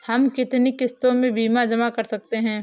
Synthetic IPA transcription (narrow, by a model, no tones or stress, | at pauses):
hɐmkɪt̪nikɪst̪õmẽbiːmad͡ʒɐmakɐɾsɐk̚t̪eɦɛ̃ː